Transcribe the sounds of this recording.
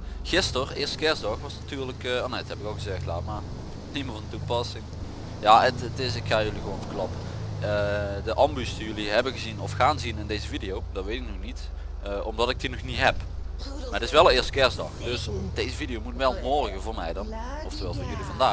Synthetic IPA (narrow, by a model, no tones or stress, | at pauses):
ɣɪstərɪːɹstə̥kɛɹzdɑxʋɑsnatyːɹləkɔnɛthɛpɪkɑlˠɣəzɛxtla̰ːmaːr | niməvɑndtupɑsɪŋ | jaːətətɪsɪkxaːjɵliɣəʋonvərklɑpə | ədəʔɑmbysdijɵliɦɛbəɣəzinɔfxaːnzinɪndejzəvidijowd̥ɑtʋejtɪk̚nɔxnit | əɔmdɑtɪkdinɔxnitɦɛp | aːrətɪsʋɛlˠəɪːɹstə̥kɛɹzdɑ̰xdɵsd̥ejzəvidijowmutʋɛlˠmɔɹɣəvʊːɹmɛjdɑn | ɔftəʋɛlˠsvʊɹjɵlivɑndaː